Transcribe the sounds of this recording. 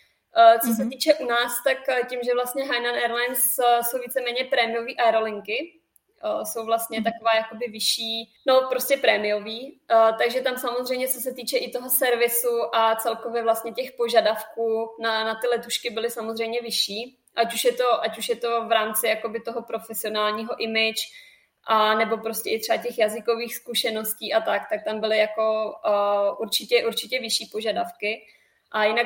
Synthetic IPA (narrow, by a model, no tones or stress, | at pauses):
t͡sos̬ɛt̪iːt͡ʃɛʔunaːst̪akcimʒɛvlast̪ɲɛɦajnanɛɾlajnsso̞wviːt͡sɛmɛːɲɛpɾɛːmɪjoviːʔaɛɾolɪŋkɪ | so̞wvlast̪ɲɛt̪akovaːjako̞bɪvɪʃiː | no̞pɾoscɛpɾɛːmɪjo̞viːt̪aɡʒɛt̪amsamozr̝ɛjmɲɛt͡sos̬ɛt̪iːt͡ʃɛʔɪt̪o̞ɦo̞sɛɾvɪsuʔat͡sɛlko̞vjɛvlast̪ɲɛcɛxpo̞ʒadafkuːnanat̪ɪlɛt̪uʃkɪbɪlɪsamozrɛjmɲɛvɪʃiː | ʔacuʃjɛt̪o̞ʔacuʃjɛt̪o̞vɾaːmt͡sɪjako̞bɪt̪o̞ɦo̞pɾo̞fɛsɪo̞naːlɲiːɦo̞ʔɪmɪt͡ʃ | ʔanɛbo̞pɾoscɛʔɪt̪r̝̥ɛvacɛxjazɪkoviːxskuʃɛno̞sciːʔat̪akt̪ak̚t̪ambɪlɪjako̞ | ʔuɾt͡ʃɪcɛʔuɾt͡ʃɪcɛvɪʃiːpo̞ʒadafkɪ | ʔajɪnak